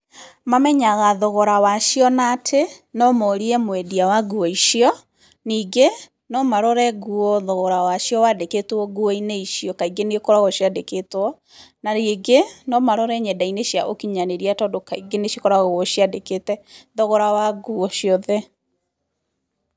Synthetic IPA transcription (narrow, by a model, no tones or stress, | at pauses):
mamɛɲaɣaðɔɣɔɾawaʃijɔnatʰenɔmɔɾiɛmwɛdiawaɡuɔiʃiɔ | niːɡe | nɔmaɾɔɾɛɡuɔðɔɣɔɾawaʃjɔwadeketɔɡuɔineiʃjɔkaiɡenekɔɾaɣɔʃiadeketɔ | naɾeɡenɔmaɾɔɾɛɲɛdaineʃjaʔokiɲaneɾiatɔdokaiɡeneʃikɔɾaɣɣɔʃjadeketɛðɔɣɔɾawaɡuɔʃiɔðɛ